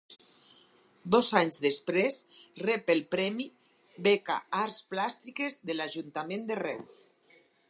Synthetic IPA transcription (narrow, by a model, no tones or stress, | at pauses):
d̪ɔzaɲzðespɾesrɛpelpɾɛmi | beka̰aɾsplast̪ikezðelaʒunt̪amẽnd̪erɛ̰ws